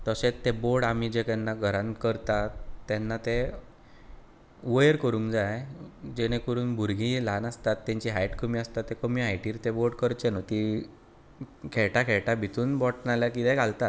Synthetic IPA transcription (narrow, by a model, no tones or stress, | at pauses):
t̪əɕẽt͡st̪ːeboɾɽamid͡ʑek̪ɛnːaɡʱəɾãnkəɾt̪atːɛnːat̪e | ʋəjəɾkəɾũːŋkd͡zajd͡ʑeɽ̃ekəɾuːnbʱuɾɡʱilanast̪at̪ːãɲt͡ɕiɦajʈkəmiːast̪at̪ːekəmiajʈiːɾt̪eboɾɽkəɾt͡ɕenot̪i | kʰeɭʈakʰeɭʈabʱit̪uːnbɔʈnaljakit̪ɛ̃ɡʱalt̪at̪